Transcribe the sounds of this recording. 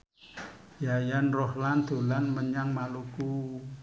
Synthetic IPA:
jajanrɔhland̪̥o̤lanməɲaŋmaluku

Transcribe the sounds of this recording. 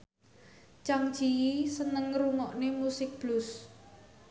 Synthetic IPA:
t͡ʃaŋ̥d͡ʒ̥iisənəŋɾuŋɔʔnemusɪk̚b̥lʊs

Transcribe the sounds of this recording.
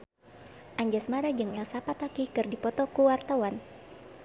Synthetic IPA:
ʔaɲd͡ʒasmaɾad͡ʒɨŋɛlsapat̪akihkɨrdipɔt̪ɔkuwart̪awan

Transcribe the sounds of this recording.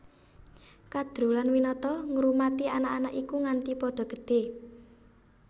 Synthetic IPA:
kad̪̥ɾṳlanwinɔt̪ɔŋɾumat̪ianaʔanaʔikuŋant̪ipɔd̪̥ɔ̤ɡ̥ə̤̥d̪̥e̤

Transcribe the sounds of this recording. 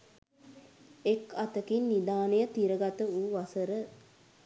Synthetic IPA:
ekat̪əkinːid̪aːnejət̪iɾəɡat̪əuʋasəɾə

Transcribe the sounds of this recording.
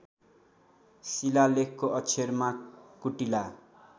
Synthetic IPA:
silalekkoʔʌt͡sʰermakuʈila

